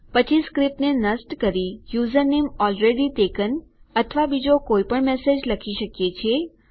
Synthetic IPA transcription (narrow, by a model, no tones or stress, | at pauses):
pət͡ʃiskɾip̚ʈnenəsʈkəɾijuzəɾnemɔlɾeɽitekənət̪ʰʋabid͡ʒokoipəɳmɛsed͡ʒləkʰiʃəkjet͡ʃʰe